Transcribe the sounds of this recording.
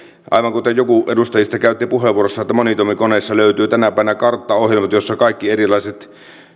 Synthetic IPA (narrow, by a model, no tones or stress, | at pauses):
ʔɑ̰ˑiʋɑŋkut̪ejjokuʔedust̪ɑjist̪ɑkæˑyt̪ːipuheʋːˑuorosːɑet̪ːæmonit̪omikoneˑːsːɑløyt̪yːt̪ænæpæˑiʋenækɑrt̪ːɑohjelmɑt̪josːɑkɑˑikːierilˑɑˑiset̪